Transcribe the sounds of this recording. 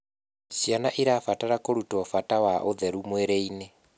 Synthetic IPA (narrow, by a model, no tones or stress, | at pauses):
sjanaʔiɾafataɾakoɾutɔfatawaʔoðɛɾumwɛɾeine